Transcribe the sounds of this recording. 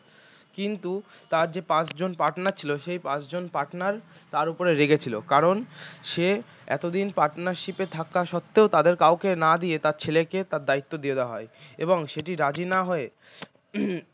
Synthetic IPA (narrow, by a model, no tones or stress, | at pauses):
kint̪ut̪aɾd͡ʑepãt͡ɕd͡ʑonpaʈnaɾt͡ɕʰiloʃejpãt͡ɕd͡ʑonpaʈnaɾt̪aɾupoɾeɾeɡet͡ɕʰilokaɾonʃe | ɛ̰t̪od̪inpaʈnaɾʃipet̪ʰakaʃɔt̪ːeot̪ad̪eɾkawkenad̪iet̪aɾt͡ɕʰeleket̪aɾd̪ait̪ːod̪ied̪eaɦɔeḛboŋʃeʈiɾad͡ʑinaɦɔe